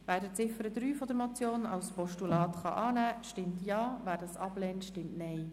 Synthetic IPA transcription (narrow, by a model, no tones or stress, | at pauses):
væːdət͡sɪfəɾəd̪ɾyːfɔd̪əɾmɔt͡sjoːnɑ̰wspɔʃtulɑːtχɑ̰ʔɑːnæːʃtɪmtjɑːvæːɾdɑsɑb̥lɛːntʃtɪmtnɛɪ